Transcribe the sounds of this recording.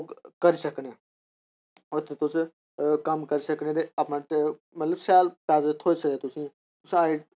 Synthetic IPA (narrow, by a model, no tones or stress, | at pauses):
kkəɾisəkneː | ʊt̪ʰːeːt̪ʊs | kəmkəɾisəkneːd̪eaːpnãːʈ | mət̪ləbsɛːlpɛːzət̪ʰoːisəleːt̪ʊsĩː | t̪ʊsaːi